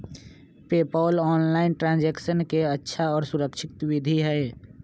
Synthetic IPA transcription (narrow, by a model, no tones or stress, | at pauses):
peːpɔːlɔːnlaɪnʈɾãːnd͡ʒɛksənkeətːʃʰaɔːɾsuɾəkʃɪt̪wid̪ʱiɦɛe